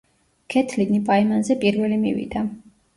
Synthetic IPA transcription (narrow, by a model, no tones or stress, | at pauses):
kʰɛt̪ʰlinipʼaimanzɛpʼiɾvɛlimḭvḭd̪a